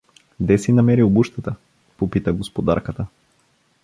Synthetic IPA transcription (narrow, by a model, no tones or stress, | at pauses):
d̪ɛsinɐmɛɾiobuʃt̪ət̪ə | popit̪əɡospod̪a̰ɾkət̪ə